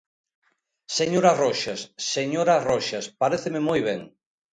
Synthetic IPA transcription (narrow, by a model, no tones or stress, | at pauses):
seɲoɾarɔʃasːeɲoɾarɔʃaspaɾeθememojβeŋ